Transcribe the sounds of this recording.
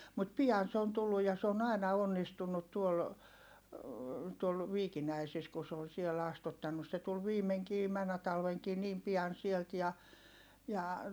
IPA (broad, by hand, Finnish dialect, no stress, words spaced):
mut piɑn se on tulːuj jɑ se on ɑinɑ onːistunːut tuol tuol ʋiːkinæisis ku se on siɛl ɑstutːɑnːus se tul ʋiːmeŋkiː mænːæ tɑlʋeŋkiː niːm piɑn sielt jɑ jɑ